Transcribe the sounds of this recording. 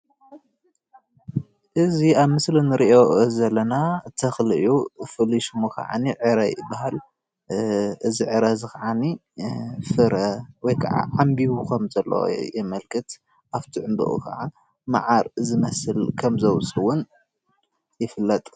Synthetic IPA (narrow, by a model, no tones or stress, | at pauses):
ʔɨziaβmɨslinɨɾiʔozɐlːɐnat̪ʰɐxlɨjufɨliʃmokʰɐ̰ʕa̰niʕɨɾɐjbahal | ɨziʕɨɾɐzɨkʰɐʕani | fɨɾɐwɔjkʰɐʕa̰ʕambiwukʰɐmzɐlːo̰jɛmɐlkʰɨt̪ | ʔaft̪ʰiʕɨmbɨ̰ʔṵkʰɐ̰ʕa | ma̰ʕaɾzɨmɐsɨlkʰɐmzɐwsʼɨwʊn | jɪfɨlːɐt̪ʼ